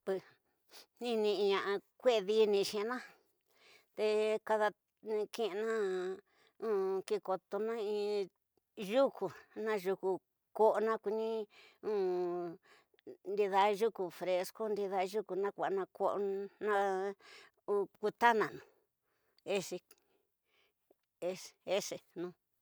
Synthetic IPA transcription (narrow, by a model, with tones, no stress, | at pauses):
pɨ˧ | nĩ˦nĩ˧ɲã˧ʔa˧kʷe˦˧ði˧˦nĩ˧ʃĩ˧nã˦ | t̪e˧ka˧ða˧ | ñ˧kĩ˧ʔnã˦ | ũ˦ki˧ko˧t̪o˧nã˦ĩ˧ | ʒu˦ku˨nã˦ʒu˧ku˧ | ko˦ʔo˧nã˦kʷi˧nĩ˦ũ˦ | nd̪i˧ða˧ʒu˦ku˨fɾe˧sko˦nd̪i˧ða˧ʒu˦ku˨nã˦kʷa˨ʔnã˧ko˦ʔnã˦ | u˧ku˧t̪a˦nã˨nũ˨ | e˦ʂi˧ | e˦e˦ʂe˧˨nũ˧˦